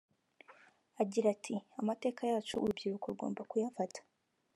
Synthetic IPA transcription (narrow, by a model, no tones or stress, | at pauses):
aɟiɾatʰiamate̞ːkajaːt͡ʃṵːɾubɟiɾukoɾuɡo̞̰ːmbakujafatḁ